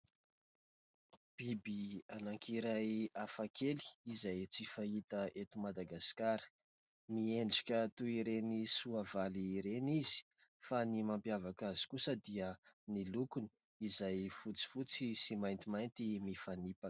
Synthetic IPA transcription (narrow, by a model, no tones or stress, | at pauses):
b̥ibianaŋkʰiɾajafakʰeli̥izajt͡sifait̪əʔet̪imad̪aɡaskaɾə̥ | mieɳɖ͡ʐḁkʲət̪uiɾenisuavaliɾenizi̥ | fanimampjavakazi̥kusəd̪iə | nilukuni̥ | izajfut͡si̥fut͡sisimajnt̪imajnt̪imifanipa